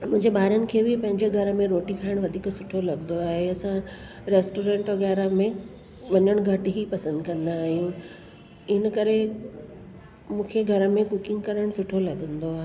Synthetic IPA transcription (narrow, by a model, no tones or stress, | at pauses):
mʊ̃ɦɪ̃ɲd͡ʑeɓaːɾənɪ̆kʰeːbɪpɐ̃ɦɪ̃ɲd͡ʑeɡʱɐɾmẽɾoːʈikʰaːɪɽ̃ʋɐd̪ʱiːksʊʈʰolɐɡə̃nd̪oaːɦeɐsã | ɾeːsʈoːɾẽːɳʈʋəɡaːɾamẽ | ʋɐɲəɽ̃ɡʱɐʈɦipɐsə̃nd̪kɐ̃nd̪aːɦijũ | ɪnəkɐɾe | mũːkʰeɡʱɐɾəmẽkʊkɪ̃ŋɡkɐɾəɽ̃sʊʈʰolɐɠə̃nd̪oaːɦe